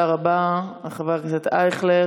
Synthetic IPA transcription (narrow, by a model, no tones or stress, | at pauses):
aʁabaaχavaʁkt͡sat̪ajχle